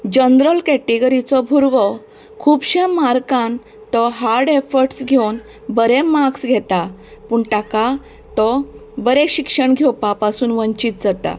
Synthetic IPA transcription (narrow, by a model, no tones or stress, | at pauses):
d͡ʑənɾəlkɛʈiɡəɾit͡sɔbʱuɾʋɔ | kʰuːbɕemaɾkãn | t̪ɔɦaɾɖefəɾʈsɡʱewn | bəɾemaksɡʱɛt̪apuːɳʈaka | t̪ɔbəɾeɕikʂəɳɡʱewpapasuːnʋəɲt͡ɕiːt̪̚d͡zat̪a̰